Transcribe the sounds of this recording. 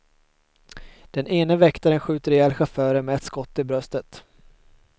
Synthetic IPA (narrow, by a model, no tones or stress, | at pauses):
d̪̥ɛneːnəvɛkt̪aɾənɧʉ̟ːt̪əɾɛɛːlɧafœːɾəɾmɛɛt̪skɔt̪ːɪbɾœst̪ət̪